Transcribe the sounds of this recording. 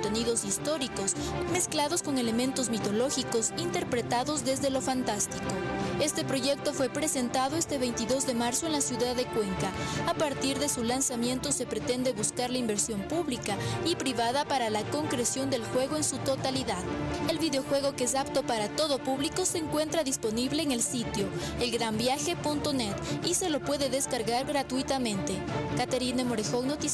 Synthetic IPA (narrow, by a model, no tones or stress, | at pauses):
oot̪eniðo̞sist̪o̞ɾiko̞sme̞sklaðo̞sko̞ŋe̞le̞mẽ̞nt̪o̞zmit̪o̞lo̞xiko̞sint̪e̞ɾpɾe̞t̪aðo̞zðe̞zðe̞lo̞fant̪ast̪iko̞e̞st̪e̞pɾo̞ʝe̞k̚t̪o̞fwe̞pɾe̞se̞nt̪aðo̞e̞st̪e̞βe̞jnt̪iðo̞zðe̞maɾso̞e̞nlasjuðaðːe̞kwe̞ŋkaːpaɾt̪iɾðe̞sulansamje̞nt̪o̞se̞pɾe̞t̪e̞nd̪e̞βuskaɾlaimbe̞ɾsjo̞mpuβlikaipɾiβaðapaɾalako̞ŋkɾe̞sjo̞nd̪e̞lxwe̞ɣo̞e̞nsut̪o̞t̪aliðaðe̞lβiðeoxwe̞ɣ̞o̞kees̬apt̪o̞paɾat̪o̞ðo̞puβliko̞se̞ːŋkwe̞nt̪ɾaðispo̞niβle̞ːŋe̞lsit̪jo̞ | elɡɾambjaxe̞punt̪o̞ne̞t̪ise̞lo̞pwe̞ðe̞ðe̞skaɾɣaɾɣɾat̪uit̪amẽ̞nt̪e̞kat̪eɾinemo̞ɾexoknot̪i